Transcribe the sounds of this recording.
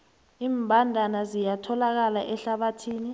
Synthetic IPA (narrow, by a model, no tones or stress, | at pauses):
iːmbʱandʱanazijatʰɔlak̬alaʔɛɬaɓatʰiːni